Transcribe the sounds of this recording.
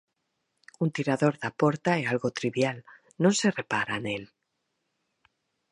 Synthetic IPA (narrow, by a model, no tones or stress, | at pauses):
unt̪iɾaðo̞ɾðapo̞ɾt̪aealɣot̪ɾiβjal | nõnse̞re̞paɾanel